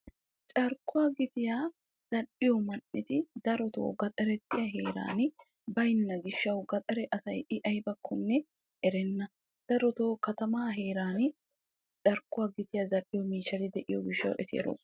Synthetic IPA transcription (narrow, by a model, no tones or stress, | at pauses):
t͡ʃʼɐɾkːʊwaɡɪt̪ɪja | z̥ɐʔɪjɔmɐnːɪt̪ɪd̪ɐɾɔt̪o̰ːɡɐt̪ʼɐɾɛt̪ːɪjɐɦeːɾa̰ːn | bɐjnːɐɡɪʃːɐwɡɐt̪ʼɐɾɛʔɐsɐjʔɪʔɐjbɐkʰːɔnːɛ | ʔɛɾɛnːɐ | d̪̥ɐɾɔt̪oːkɐt̪ɐmaːɦe̞ːɾaːn | t͡ʃʼɐɾkːʊwaːɡɪt̪ɪjɐzɐʔɪjɔmiːʃɐlɪd̪ɛʔɪjɔ̰ɡɪʃːɐ̰wʔɛ̰t̪ʰḛːɾo̰